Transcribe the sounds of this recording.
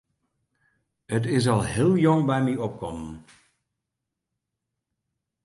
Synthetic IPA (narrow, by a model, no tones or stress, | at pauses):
ət̬ɪs̬ɑlˠɦɪːlˠjɔŋbɛjmiɔp̚kɔmən